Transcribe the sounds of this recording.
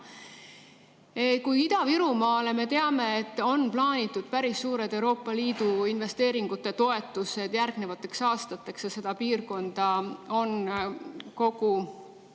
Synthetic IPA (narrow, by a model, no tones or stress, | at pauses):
ekujid̪̥ɑviɾumɑːle̞me̞t̪e̞ɑme̞ːt̪ːˑo̞nplɑːnʲit̪ːˑud̪̥pæɾisːuːɾe̞d̪̥e̞wɾo̞ːpːˑɑliːd̪̥uinve̞st̪eːɾiŋɡ̥ut̪ːˑe̞t̪o̞e̞t̪ːˑuse̞d̪̥jærɡ̥ne̞vɑt̪ːˑe̞ksɑːst̪ɑt̪ːˑe̞ksjɑse̞d̪̥ɑpiːrko̞nd̪̥ɑo̞n | ko̞ɡ̥u